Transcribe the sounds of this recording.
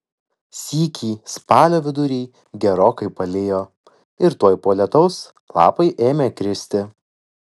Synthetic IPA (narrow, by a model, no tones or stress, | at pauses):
sʲiːkʲʰiːspɑːlʲoːʋʲɪd̪ʊɾʲiː | ɡʲɛɾoːkɐɪpɐlʲeːjoː | ɪɾt̪uɔjpoːlʲɛt̪ɐʊs | lˠɑ̰ːpɐɪʔeːmʲeːkɾʲɪsʲt̪ʲɪ